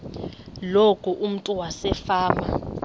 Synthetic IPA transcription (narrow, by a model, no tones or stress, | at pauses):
lokʰʼuʔum̩tʼuwasɛfaːma